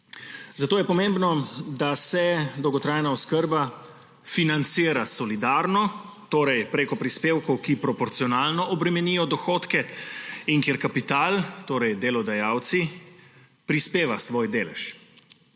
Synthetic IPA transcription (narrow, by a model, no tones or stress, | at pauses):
zat̪oːjɛpɔmembnɔd̪asɛd̪ɔwɡɔt̪ɾaːjnaɔskəɾba | finant̪siːɾasɔlid̪aːɾnɔ | t̪oːɾɛjpɾeːkɔpɾispeːwkɔwkipɾɔpɔɾt̪siɔnaːlnɔʔɔbɾɛmɛniːjɔd̪ɔxoːt̪kɛiŋkeːɾkapit̪aːlt̪oːɾɛjd̪elɔd̪ajaːwt̪si | pɾispeːʋasʋoːjd̪eːlɛ̰ʃ